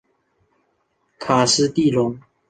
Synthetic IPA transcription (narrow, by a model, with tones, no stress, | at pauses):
kʰa˨˩s̩˧˥t̪i˥˨lʊ˧˦ŋ